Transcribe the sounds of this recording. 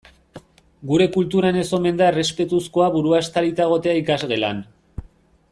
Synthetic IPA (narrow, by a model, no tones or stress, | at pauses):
ɡuɾe̞kult̪uɾane̞so̞me̞nd̪aere̞spe̞t̪usko̞aβuɾuaest̪aɾit̪aɣ̞o̞t̪e̞aikazɣe̞lan